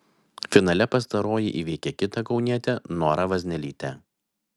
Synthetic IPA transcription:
fʲɪnɐlʲɛpɐst̪ɐɾoːjɪʔiːʋʲɛɪkʲɛkʲɪt̪ɐkɒʊnʲiɛt̪ʲɛnoːɾɐʋɐzʲnʲɛlʲiːt̪ʲɛ

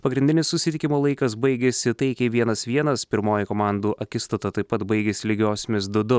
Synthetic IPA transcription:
pɐɡɾʲɪndʲɪnʲɪssʊsʲɪt̪ʲɪkʲɪmoːlˠɐɪkɐs̬bɐɪɡʲeːsʲɪt̪ɐɪkʲɛʋʲiɛnɐsʋʲiɛnɐspʲɪɾmoːjɪkoːmɑˑnd̪uːʔɐkʲɪst̪ot̪ɐt̪ɐɪpɐt̪bɐɪɡʲeːsʲɪlʲɪɡʲoːsʲmʲɪsd̪ʊd̪ʊ

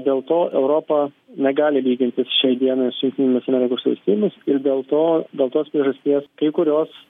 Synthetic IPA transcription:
d̪ʲeːlˠt̪oːʔɛʊɾoːpɐ | nʲɛɡɑːlʲɪʋʲiːɡʲɪnʲt̪ʲɪsʃʲɛɪd̪ʲiɛnɐɪsʊjʲʊŋkt̪ʲɪnʲɪmʲɪsɐmʲɛɾʲɪkoːsʋɐ̰lʲsʲt̪ʲiːjʊmʲʊsɪɾd̪ʲeːlˠt̪oːd̪ʲeːlˠt̪oːspʲɾʲiɛʒɐsʲt̪ʲiɛskɐɪkʊɾʲoːs

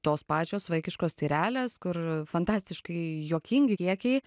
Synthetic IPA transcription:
t̪oːspɑːt͡ʃʲoːsʋɐɪkʲɪʃkoːst̪ʲiːɾʲæːlʲeːskʊɾfɐnt̪ɑːsʲt̪ʲɪʃkɐɪjoːkʲɪŋʲɡʲɪkʲiɛkʲɛɪ

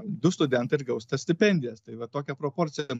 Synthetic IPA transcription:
d̪ʊst̪ʊd̪ʲɛnt̪ɐɪɾɡɐʊst̪ɐsʲt̪ʲɪpʲɛnʲd̪ʲɪjɛst̪ɐɪʋɐt̪oːkʲɛpɾoːpoːɾʲt̪sʲɪjɛ

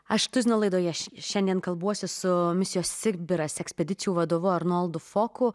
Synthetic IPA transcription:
ɐʃt̪ʊzʲnʲoːlˠɐɪd̪oːjɛʃʃʲɛnʲd̪ʲiɛnkɐlˠbuɔsʲʊsʊmʲɪsʲɪjoːsːʲɪbʲɪɾɐsʲɛksʲpʲɛd̪ʲɪt̪sʲɪjuːʋɐd̪oːʋʊɐɾnolˠd̪ʊfoːkʊ

